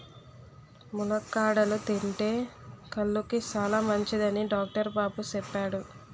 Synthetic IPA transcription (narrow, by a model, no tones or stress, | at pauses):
mulɐkːaːɽɐlut̪iɳʈe̞ːkɐlːukit͡ʃaːlaːmɐɲt͡ʃid̪ɐniɖaːk̚ʈɐɾbaːput͡ʃɛpːaːɽu